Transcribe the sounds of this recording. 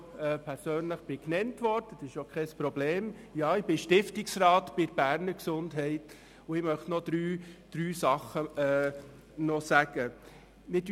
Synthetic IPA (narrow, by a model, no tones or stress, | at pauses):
ɛpʰɛɾsøːnləχb̥ɪknɛntʋɔɾd̥əsɪʃokʰχɛspɾɔbleːm | jɑːɪbɪʃtɪftɪksrɑːtb̥ɪɾbæɾnəɾksʊndɦɛɪt | ʊɪmœχtnɔd̪̥ɾyːd̥ɾyːsɑχəɛː | nɔsæɡ̥ə | mɪd